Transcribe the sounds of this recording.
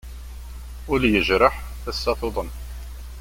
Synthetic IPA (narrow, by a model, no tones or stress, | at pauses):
ʊɾjəʒɾəħ | θæsːɑθoðˤən